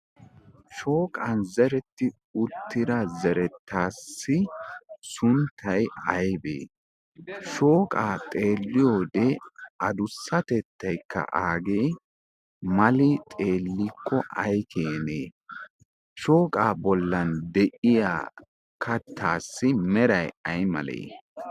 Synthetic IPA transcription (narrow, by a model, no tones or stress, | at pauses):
ʃo̞ːkʼɐnzɛɾɛt̪ːɪ | ʊt̪ːɪɾɐzɛɾɛt̪ʰːaːsːɪsʊnt̪ʰːɐjɐjbḛː | ʃo̞ːkʼaːt̪ʼe̞ːlːɪjoːd̪ɛɐd̪ʊsːɐt̪ɛt̪ʰːɐjkːɐ̰ʔaːɡe̞ː | mɐlɪt̪ʼe̞ːlːɪkːɔʔɐ̰jkʰeːneː | ʃo̞ːkʼaːbɔlːɐnd̪ɛʔɪja̰ː | kʰɐt̪ʰːaːsːɪmɛɾɐjɐjmɐ̰lḛː